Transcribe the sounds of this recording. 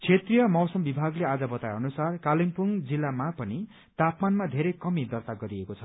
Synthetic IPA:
t͡sʰet̪rijʌmʌwsʌmbibʱaɡlead͡zʌbʌt̪ajʌnusarkalimpuŋd͡zilːamapʌni | t̪apmanmad̪ʱeɾejkʌmid̪ʌrt̪aɡʌɾiekot͡sʰʌ

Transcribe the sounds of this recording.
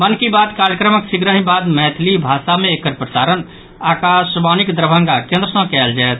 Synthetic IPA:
mənkibad̪kaɾjəkɾəməksiɡɾəɦĩbad̪mɛt̪ʰlibʱasamẽekːəɾpɾəsaɾən | akasbanikd̪ɾəbʱəŋɡakẽnd̪ɾəsə̃kɛld͡ʒaet̪̚ʰ

